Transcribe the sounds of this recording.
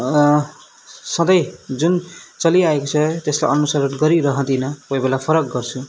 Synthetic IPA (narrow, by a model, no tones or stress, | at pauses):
sʌd̪ʌjd͡zunt͡sʌliaekot͡sʰʌt̪esla̰jʌnusʌɾʌʈɡʌɾiɾʌɦʌ̃t̪inʌkojbelapʰʌɾʌk̚ɡʌrt͡sʰu